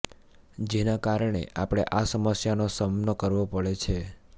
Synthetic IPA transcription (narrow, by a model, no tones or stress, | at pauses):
d͡ʒenakaɾɳ̃ḛʔapɽ̃eʔasəməsjanosəmnəkəɾʋopəɭet͡ʃʰe